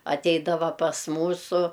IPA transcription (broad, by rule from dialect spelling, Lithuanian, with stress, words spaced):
ɐˈtʲɛɪdɐʋɐ pɐs ˈmuːsʊ